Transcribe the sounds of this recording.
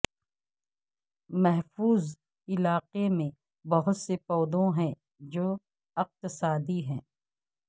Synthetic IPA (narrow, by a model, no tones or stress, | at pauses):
mɛɦfuːz | ɪlaːqemẽ | bɐɦʊt̪sepɔːd̪õɦɛ̃ | d͡ʒoː | ɪq̚t̪ɪsaːd̪iɦɛ̃ː